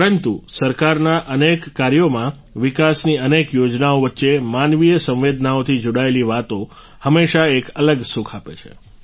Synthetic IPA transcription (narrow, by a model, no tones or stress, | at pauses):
ɾənt̪usəɾkaɾnaʔənekːaɾjomã | ʋikasniənekjod͡ʒnaoʋətːʃemanʋijəsə̃ʋ̃ʋed̪ʱnaot̪ʰid͡ʒoɽaeliʋat̪o | həmːeʃaekələɡsukʰapḛt͡ʃʰḛ